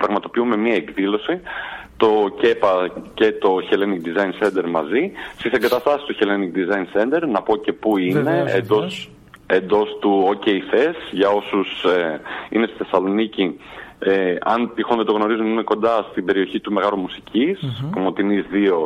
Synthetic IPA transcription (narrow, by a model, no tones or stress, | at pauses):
pɾɐɣmɐt̪o̞piume̞miɐekðilo̞sit̪o̞ce̞pɐce̞t̪o̞çe̞leniɡd̪izɐjnse̞nd̪e̞ɾmɐzist̪ise̞ŋɡɐt̪ɐst̪ɐsist̪uçeleniɡd̪izɐjnse̞nd̪e̞ɾnɐpo̞ce̞puine̞ḛd̪os | end̪o̞st̪uoce̞iθe̞sʝɐo̞sus | ḭnest̪iθe̞sɐlo̞nicieɐnt̪ixond̪et̪oɣno̞ɾizumime̞ko̞nd̪ɐst̪ibe̞ɾio̞çit̪ume̞ɣɐlumusicispomot̪inizðio̞